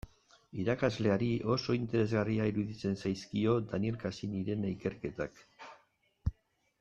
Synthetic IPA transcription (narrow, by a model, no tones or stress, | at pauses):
iɾakazle̞aɾiʔo̞so̞int̪e̞ɾe̞zɣariaiɾuðit͡se̞nsajskio̞d̪anie̞lkasiniɾe̞naike̞ɾke̞t̪ak